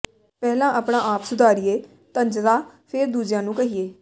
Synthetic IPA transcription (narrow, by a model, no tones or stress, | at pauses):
pɛːlãːʔaːpɽãːʔaːpsʊd̪aːɾɪjeː | t̪əɲd͡ʒd̪aːpʰeːɾd̪uːd͡ʒjãːnũːkəɦiːeː